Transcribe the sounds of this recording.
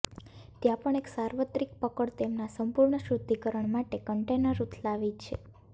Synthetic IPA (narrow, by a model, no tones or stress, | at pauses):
t̪jãpəɳeksaɾʋət̪ɾik̚pəkəɽt̪emnasəmpuɾɳəʃɾud̪ʱikəɾəɳmaʈekəɳʈenəɾːut̪ʰlaʋit͡ʃʰḛ